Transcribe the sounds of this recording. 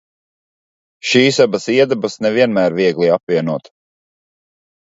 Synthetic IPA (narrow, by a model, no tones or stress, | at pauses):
ʃiːsabasiɛd̪ɛbasnɛviɛnmæːɾviɛɡlˠiapviɛnuɔt̪